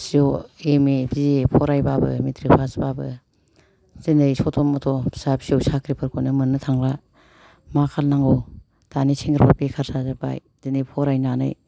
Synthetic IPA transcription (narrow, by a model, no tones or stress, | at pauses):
sioemebizpʰɔɾajbabɯ̰mitɾipʰasbabɯ̰ | z̥enesɔtʰɔmɔtʰɔsapsiowsakʰɾipʰɯɾkʰɔnɯmɯnɯtʰaŋla | makʰalnaŋɡo | d̥anisʰeŋɡɯɾpʰapekʰaɾsazaba̰j | denepʰɔɾajnanɯ̰j